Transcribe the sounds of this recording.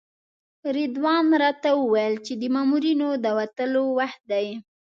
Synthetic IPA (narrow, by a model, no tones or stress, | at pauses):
ɾid̪wɑnɾɑt̪awəwajəlt͡ʃed̪əmɑmuɾinod̪əwat̪əlowaxt̪̚d̪aj